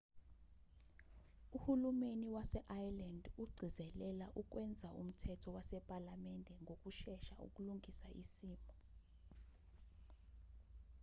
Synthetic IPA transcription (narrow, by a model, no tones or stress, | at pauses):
uhulumeniwasɛʔajlandʱuɡ͡ǀʱizɛlɛlaʔuk̬ʼwɛnd͡zʱaṵm̩tʰɛtʰɔwasɛpʼalamɛndʱɛŋɡʱok̬ʼuʃɛʃaṵk̬ʼuluŋʱisaʔḭsiːmbʱɔ